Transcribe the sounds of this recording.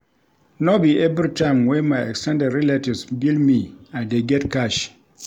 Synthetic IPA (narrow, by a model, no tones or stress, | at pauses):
nobiʔɛvɾitãɪ̃mwɛ̃nmaɪɛ̰kstɛ̃ndɛdɹiletivsbildmiãndeɡɛtkaʃ